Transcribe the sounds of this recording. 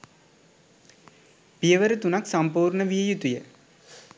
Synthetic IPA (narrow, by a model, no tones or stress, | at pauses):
pijəʋəɾət̪unaksampuːɾɳəʋijəjut̪ujə